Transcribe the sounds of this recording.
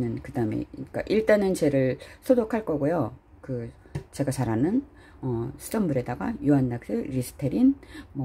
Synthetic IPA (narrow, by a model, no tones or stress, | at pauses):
nɯnkɯdaɯme̞̰k͈a̰ʔiɭt͈anɯnt͡ɕe̞ɾɯɭsʰodokʰaɭk͈ʌɡojo | kɯ | t͡ɕe̞ɡat͡ɕaɾanɯn | ʌsʰɯ̥tʰʌmbuɾe̞daɡa̰juɦanːak̚s͈ɯɾisʰɯ̥tʰeɾinmʌ